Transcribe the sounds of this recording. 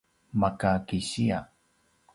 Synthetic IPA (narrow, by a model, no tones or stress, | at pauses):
makakiɕia